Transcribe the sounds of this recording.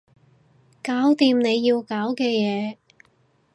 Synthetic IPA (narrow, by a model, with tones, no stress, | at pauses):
kaː˨˥wt̪iː˧mne˨˧jːiː˧wkaː˨˥wkɛː˧jɛː˨˧